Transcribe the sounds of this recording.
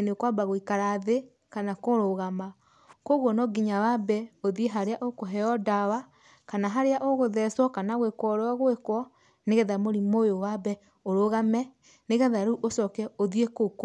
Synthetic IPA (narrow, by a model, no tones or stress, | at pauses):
nekwabaɣoikaɾaðe | kanakoɾoɣama | koɣwɔnɔɡiɲawabɛoðieɦaɾeaʔokoɦɛɔdawa | kanaɦaɾeaʔoɣoðɛswɔkanaɣwekwɔɾaɣwekwɔ | neɣɛðamoɾimojowabɛ | oɾoɣamɛ | neɣɛðaɾuʔosɔkɛoðiekok